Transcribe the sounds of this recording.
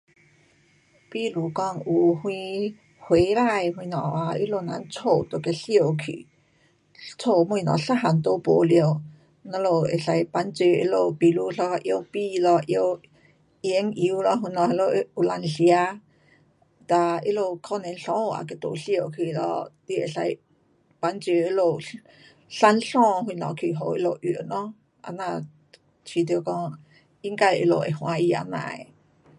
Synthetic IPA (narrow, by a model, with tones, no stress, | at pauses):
pi˧˨lu˨kɔ˧ŋu˨hw̃ĩ˧ | hwe˨˦ɾa˧jhw̃ĩ˧nɔ̰̃˨a˧i˦lo˧˨na˨˦nt͡sʰo˧˨t̪o˨ke˧ɬi˧o˨wkʰḭ˧˨ | t͡sʰo˧˨mũ˧i˧nɔ̰̃˨ɬa˦ɦa˨nt̪o˧˦po̰˨ljo˧˨ | nã˧lo˧˨ḛ˨ɬa˧jpa˧˦nt͡si˧ḛ˧˦lo˧˨pi˧˨lu˧˦ɬɔ˧ʔjo˧wpi˧lɔ˧ʔjo˧w | je˧˦ŋʔi˧˨u˧lɔ˧ɦi˧˨nɔ̃˧˨˧lo˧u˧˨la˧˨nɬja˦ | t̪a˧i˦lo˧˨kʰɔ˦˨nẽ˧n˦ɬɔ̃˦˧˨a̰˨k̬e˧˨t̪ṵ˨ʔɬjo˧˨ʔkʰi˧˨ʔlɔ̰˧t̪i˧˦e˨ɬa˧j | pa˧nt͡sjo˧i˦lo˧˨ | ɬa˦nɬɔ̃ː˧˨ɦwĩ˧˨nɔ̰̃˧˨kʰi˨ʔɦo˨ʔḭ˦lo˧˨ʔy˨nɔ̃˦ | a̰˨nã˧˨ | t͡ʃi˧˨t̪jo˧˨kɔ̃˧ | i˦ŋka˧jʔi˧˨lo˨ʔḛ˨hw̃ã˧i˧a̰˧˨nã̰ː˧˨ḛ˨